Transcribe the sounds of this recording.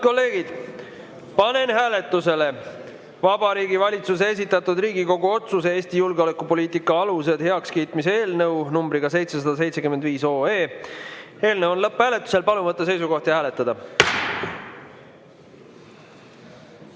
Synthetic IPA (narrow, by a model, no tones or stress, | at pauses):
ko̞lːe̞ːɡ̥id̪̥ | pɑne̞nɦæːle̞t̪ːˑuse̞le̞ | vɑbɑɾiːɡivɑlʲit̪sus̬ee̞s̬it̪ːˑɑt̪ːˑud̪riːɡiko̞ɡuo̞t̪suse̞eːsʲt̪ijulɡeo̞lekˑupo̞liːt̪ˑikːˑɑɑluse̞d̪̥he̞ɑkskiːt̪ˑmiseːlnewnumbɾiɡ̥ɑs̬e̞jt̪se̞s̬ɑd̪̥ɑs̬e̞jt̪se̞kyme̞nd̪viːso̞ːe̞ː | e̞ːlnewonlɤpːhæːle̞t̪ːˑu̥se̞lpɑlumət̪ːˑɑse̞jsuɡo̞ht̪ihæːlet̪ːˑɑd̪̥ɑ